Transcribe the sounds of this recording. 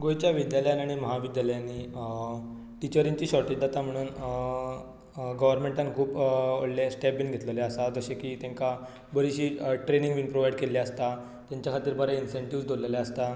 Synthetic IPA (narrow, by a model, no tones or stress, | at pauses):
ɡojt͡ɕjaʋid̪jaljanaɽ̃iməɦaʋid̪jaləjanːi | ʈit͡ɕəɾiɲt͡ɕiːɕɔɾʈid͡ʑd̪at̪am̤əɽ̃uːn | ɡəʋəɾmẽɳʈãnkʰuːpoɽlesʈep̚binɡʱet̪ləljaəsad͡zəɕekiːt̪jãŋka | bəɾiɕiːʈɾenĩŋɡʋinpɾoʋajɽkeljaəst̪a | t̪jãɲt͡ɕjakʰat̪iːɾbəɾainseɳʈiʋd͡zd̪ʱolalaəst̪a